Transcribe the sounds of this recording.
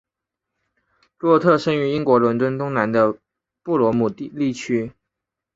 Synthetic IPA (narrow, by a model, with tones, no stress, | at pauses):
lwɔ˥˧t̪ʰɤ˥˩ʂə˥ŋy˧˥i˥ŋkwɔ˧˥lə˧˥nt̪wə˥nt̪ʊ˥ŋna˧˥nd̪ə˧ | pu˥˩lwɔ˧˥mu˨˩˥li˥˩t͡ɕʰy˥